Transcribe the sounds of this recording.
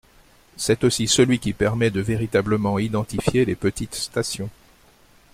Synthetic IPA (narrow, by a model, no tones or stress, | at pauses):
sɛt̪osisəlɥikʲipɛʁmɛd̪əveʁit̪abləmɑ̃id̪ɑ̃t̪ifjelepət̪it̪st̪asjɔ̃